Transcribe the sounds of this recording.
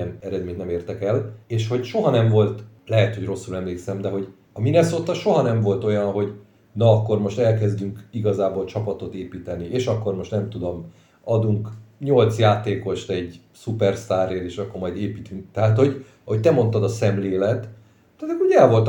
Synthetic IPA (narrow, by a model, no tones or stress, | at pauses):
ɛnɛɾɛd̪meːɲt̪nɛmeːrt̪ɛkɛleːʃho̞ɟʃo̞ɦɒnɛɱvo̞lt̪lɛɦɛt̪ho̞ɟro̞sːulɛmleːksɛmd̪ɛɦo̞ɟ | ɒminɛsoːt̪ɒʃo̞ɦɒnɛɱvo̞lt̪o̞jɒnɦo̞ɟ | nɒɒkːo̞rmo̞ʃt̪ɛlkɛzd̪yŋkiɡɒzaːbolt͡ʃɒpɒt̪o̞t̪eːpiːt̪ɛniʔeːʃɒkːo̞rmo̞ʃt̪nɛmt̪ud̪o̞m | ɒd̪uŋkɲo̞lt̪sjaːt̪eːko̞ʃt̪ɛɟ | supɛrst̪aːreːleːʃɒkːormɒjd̪eːpiːt̪yŋkt̪ɛɦaːt̪ho̞ɟ | ɒho̞c̚t̪ɛmo̞nt̪ɒd̪ɒsɛmleːlɛt̪ | t̪aːt̪kːooɛlvo̞lt̪